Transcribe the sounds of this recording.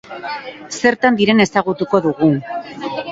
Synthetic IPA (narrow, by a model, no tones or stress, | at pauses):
se̞ɾt̪and̪iɾe̞ne̞saɣ̞ut̪uko̞ðuɣu